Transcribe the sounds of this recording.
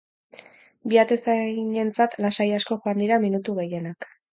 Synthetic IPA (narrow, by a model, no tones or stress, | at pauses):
biat̪e̞saɲe̞nt͡sat̪lasajasko̞ʝoand̪iɾaminut̪uɣe̞je̞nak